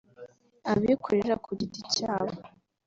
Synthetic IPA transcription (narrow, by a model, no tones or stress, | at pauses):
aβikʰoɾeɾakʰuɟiticaːβo